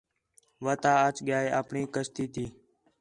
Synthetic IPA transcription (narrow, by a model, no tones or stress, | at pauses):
ʋət̪aːət͡ʃɠɪjaːeːʔə̰ːpɳiːkəst̪iːt̪iː